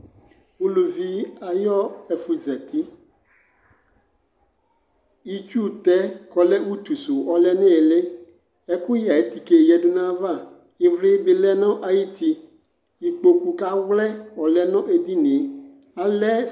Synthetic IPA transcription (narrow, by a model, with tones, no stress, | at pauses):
wu˦lu˨vi˦a˨jɔ˦ɛ˨fu˨zɛ˨t̪i˦ | i˦t͡ʃu˦˨t̪ɛ˦kɔ˨lɛ˦wu˦t̪u˨su˨ɔ˦lɛ˦nɛ̃˦˨le˦ | ɛ˦ku˦ja˨e˨˦t̪i˨ke˨jɛ˨du˦nã˦va˦˨ | i˨vlɪ˦bɪ˨lɛ˦nɔ̃˦ʔa˨ji˦t̪i˦ | i˨k͡po˨ku˨ka˦wlɛ˦wɔ˨lɛ˨nɔ̃˦ʔe˨di˦nĩ˨ | a˨lɛ˦